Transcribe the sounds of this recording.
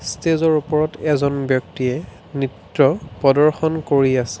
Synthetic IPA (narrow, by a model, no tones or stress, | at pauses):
stezɔɹupɔɹɔtʰɛzɔnbjɔk̚tiɛ | nitɹɔpɔdɔɹxɔnkoɹiasɛ̥